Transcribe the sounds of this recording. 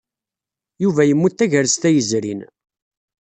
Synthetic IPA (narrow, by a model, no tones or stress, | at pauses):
juvæjəmːut̪ːæʝəɾst̪æjəzɾḭn